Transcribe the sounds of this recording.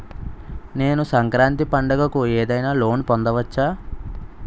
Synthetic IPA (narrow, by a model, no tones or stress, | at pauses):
ne̞ːnusɐŋkɾaːnt̪ipɐɳɖɐɡɐkueːd̪ɐjnaːlo̞ːnpɔnd̪ɐʋɐt͡ʃːaː